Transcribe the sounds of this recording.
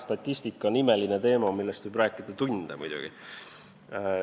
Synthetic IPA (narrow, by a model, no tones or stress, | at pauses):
st̪ɑt̪ʲˑːisʲt̪ikːˑɑonime̞linet̪e̞ːmɑmilːest̪vɨjbræːkːˑid̪̥ɑt̪unʲd̪̥emṵjd̪̥ṵɡ̥ḭ